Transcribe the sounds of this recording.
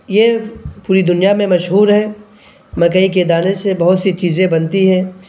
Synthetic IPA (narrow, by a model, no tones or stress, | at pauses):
jeːpuːɾid̪ʊnijamẽmɐʃɦuːɾɦɛː | mɐkəiked̪aːnesebɐɦʊt̪sit͡ʃiːzẽbɐnt̪iɦɛ̃ː